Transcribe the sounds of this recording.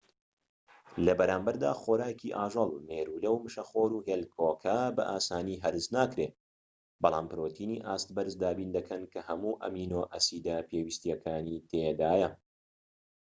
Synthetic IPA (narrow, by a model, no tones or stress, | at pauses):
lɐbɐɾaːmbɐɾd̪a̰ːxoːɾaːjciʔaːʒɨlˠmeːɾuːlɐwmɨʃɐχoːɾuːɦeːlkʰoːkʰabɐ̰ʔaːsaːniːɦɐɾɨznaːkɾeː | bɑlˠaːmpɨɾoːt̪ʰiːniːʔaːst̪̚bɐɾzd̪aːbiːnd̪ɐkʰɐnkɐhɐmuːʔɐ̰miːnoːʔɐsiːd̪ɐpewist̪jɐkʰaːniːt̪ʰed̪aːjɐ